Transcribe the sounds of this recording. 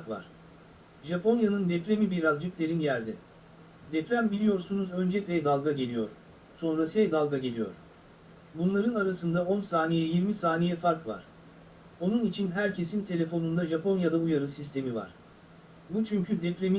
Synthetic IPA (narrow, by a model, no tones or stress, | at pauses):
kva̰ɾ̥ | ʒapʰo̞njanɯnd̪ɛpɾe̞mibiɾazd͡ʒɯk̚lʲe̞ɾinjæɾd̪ɛ | d̪ɛpɾæmbilʲijo̞ɾsunuzø̞nd͡ʒɛcvɛd̪alˠɡaɟe̞lʲijo̞̰ɾ | so̞nɾasɯɛd̪alˠɡaɟe̞lʲijo̞̰ɾ | bunlˠaɾɯnaɾasɯnd̪ao̞nsaːnejɛjiɾmisaːnejɛfaɾkva̰ɾ̥ | o̞nunit͡ʃʰinɦæɾcʰe̞sint̪ʰe̞lʲe̞fo̞nund̪aʒapo̞njad̪aujaɾɯsist̪ʰe̞miva̰ɾ̥ | but͡ʃʰyɲcʰyd̪ɛpɾe̞mi